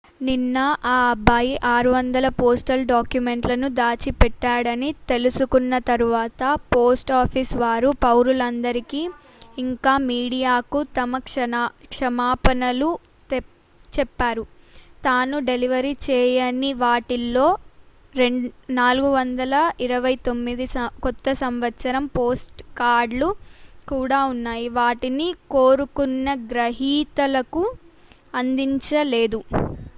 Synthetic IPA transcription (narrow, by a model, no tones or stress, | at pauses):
ninːɐʔaːɐbaːjiʔaːɾuʋɐnd̪ɐlɐpoːsʈɐlɖaːkjume̞ɳʈlɐnud̪aːt͡ʃipɛʈːaːɽɐnit̪e̞lusukunːɐt̪ɐɾuʋaːt̪ɐpoːsʈaːpʰiːsʋaːɾupɐwɾulɐnd̪ɐɾikiː | ŋkaːmiːɽijaːkut̪ɐmɐkɐkʂɐmaːpɐnɐlu | t͡ʃɛpːaːɾut̪aːnuɖe̞liʋɐɾit͡ʃɛːjɐniʋaːʈilːo̞ː | ɾeɳnaːluɡuʋɐnd̪ɐlɐiɾɐʋɐjt̪o̞mːid̪isɐkɔt̪ːɐsɐmʋɐt̪ːsɐɾɐmpoːsʈkaːɾɖlukuːɽaːunːaːjiʋaːʈinikoːɾukunːɐɡɾɐɦiːt̪ɐlɐku | ɐnd̪iɲt͡ʃɐleːd̪u